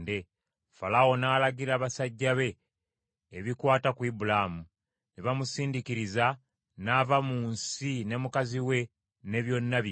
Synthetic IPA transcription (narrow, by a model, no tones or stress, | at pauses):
de̞ | falawo̞naːlaɡiɾaːβasaɟːaβe̞ː | βikwaːtakwiːbulamu | neβamusiːndikiɾiza | navamuːnsine̞mukaziwe̞ | ne̞βjo̞nːaβj